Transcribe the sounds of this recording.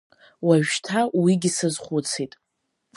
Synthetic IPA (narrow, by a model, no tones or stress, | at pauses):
waʒᶣtʰawiɡʲisɨzχʷʊt͡sʰitʼ